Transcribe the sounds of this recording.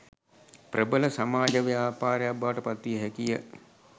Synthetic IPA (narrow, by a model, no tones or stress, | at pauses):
pɾʔəbələsamaːd͡ʒəʋeaːpaːɾəjakbaːəʈəpat̪ːʋiəɦɛkijə